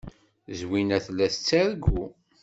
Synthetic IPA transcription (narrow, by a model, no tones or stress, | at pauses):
zwinæθlːæθət͡sːæɾɡu